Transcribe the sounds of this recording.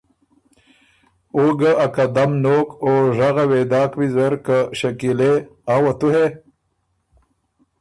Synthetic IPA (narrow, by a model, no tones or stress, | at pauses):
uɡaʔakad̪amnoːkoʐaɣawed̪ɑːkwizaɾkaʃakileaːwat̪uhe